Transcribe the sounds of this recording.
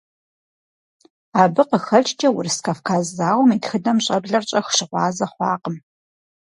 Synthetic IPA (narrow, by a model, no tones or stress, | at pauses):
aːbɨqəxɐɮʰʼt͡ʃʼɐwʊrskʰafkʰaːzːaːwʷɔmiːtxɨdɐmɕʼɐbɮɐrt͡ʃʼɐxʃɪqʷɑːzɐχʷɑːqəm